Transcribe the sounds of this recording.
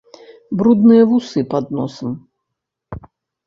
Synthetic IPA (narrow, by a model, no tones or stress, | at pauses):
bɾud̪nɨjɐvusɨpad̪nɔsɐm